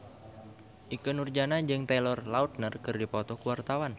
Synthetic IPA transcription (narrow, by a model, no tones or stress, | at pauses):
ʔikənurd͡ʒanad͡ʒɨŋt̪elɔrlaut̪̚nərkɨrdipɔt̪ɔkuwart̪awan